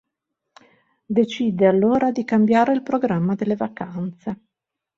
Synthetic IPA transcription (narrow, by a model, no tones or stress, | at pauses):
d̪et͡ʃiːd̪ealːoːɾad̪ikambjaːɾeilpɾoɡɾamːad̪elːevakant̪se